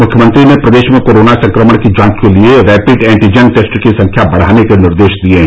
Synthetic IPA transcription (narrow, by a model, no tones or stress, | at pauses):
mʊkʰjəmə̃nt̪ɾinẽpɾɐd̪eːʃmẽkoːɾoːnasɐ̃ŋkɾəməɽ̃kid͡ʒãːkkelieɾɛːpɪɖɛ̃ːɳʈid͡ʒɛnʈeːsʈkisɐ̃ŋkʰjabɐɽ̤aːnekenɪɾd̪eːʃd̪iẽ